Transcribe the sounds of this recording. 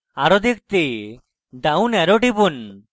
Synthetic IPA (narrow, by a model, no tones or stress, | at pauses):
aɾɔd̪ʱik̚t̪e | ɖawnɛɾɔʈibun